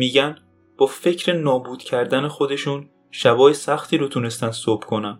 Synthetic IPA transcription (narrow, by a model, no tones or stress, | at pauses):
miːɟæn | b̥ɒːfe̞cʰɾe̞nɒːbuːd̪̥cʰæɾd̪æne̞xo̞d̪e̞ʃun | ʃæbɒːjesæxt̪ʰiːɾot̪ʰune̞st̪ænd̪̥sob̥kʰo̞nænd̪̥